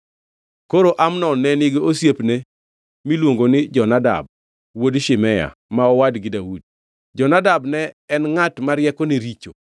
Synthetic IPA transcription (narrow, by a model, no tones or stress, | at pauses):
koɾoʔamnɔnːɛnɪɡeosjepne | milwoŋɡonɪd͡ʒɔnada̰b̚ | wodʃɪmɛja̰maɔwadɡɪdawud̚ | d͡ʒɔnadabnɛɛnŋatmaɾjɛkɔneɾit͡ʃo